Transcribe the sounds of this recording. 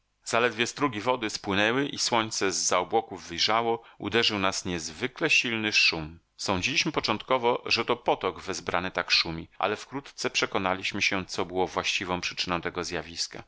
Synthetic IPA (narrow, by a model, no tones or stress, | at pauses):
zalɛd̪vʲjɛst̪ɾuɡʲivɔd̪ɘspwɘnɛwɘʔiswɔɲt̪sɛzːaɔbwɔkuvːɘjʐawɔṵd̪ɛʐɘwnasɲɛzvɘklɛɕilnɘʂum | sɔ̃w̃d͡ʑilʲiɕmɘpɔt͡ʂɔ̃nt̪kɔvɔʐɛt̪ɔpɔt̪ɔɡvɘzbɾa̰nɘt̪akʂumʲiʔa̰lɛfkɾut̪t̪sɛpʂɛkɔnalʲiɕmɘɕɛt̪sɔbɘwɔvwaɕt͡ɕivɔ̃w̃pʂɘ̥t͡ʂɘnɔ̃w̃t̪ɛɡɔzjavʲiska̰